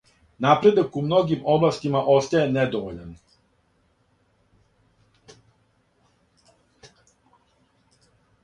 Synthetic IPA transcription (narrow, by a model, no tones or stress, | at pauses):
napɾe̞d̪akumno̞ɡimoblˠast̪imaʔo̞st̪ajened̪oʋoʎan